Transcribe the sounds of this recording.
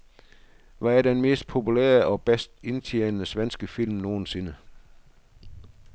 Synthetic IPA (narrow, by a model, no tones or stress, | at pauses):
ʋɑ̈æɐd̥enme̝̰ːsd̥̚pʰo̝pulḛːɐɒ̽b̥esd̥e̝nt͡sʰeːnəsʋensɡ̥əfil̰mno̝ːn̩se̝nə